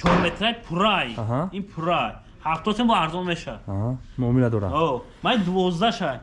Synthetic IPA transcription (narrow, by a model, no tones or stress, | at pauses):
t͡ʃʰɔɾmet̪ʰɾajpʰuɾajɦainpʰuɾaj | haft̪ʰɔsembɔaɾzɔmeʃad̪ɦamɔmilad̪ɔɾa̰ɔ | mad̪uvɔzd̪aʃaj